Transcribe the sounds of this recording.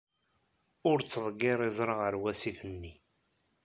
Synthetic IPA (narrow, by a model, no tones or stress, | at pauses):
ʊɾt͡sːəðˤɡːɪɾˤizˤɾˤəʁəɾwæsiθənːi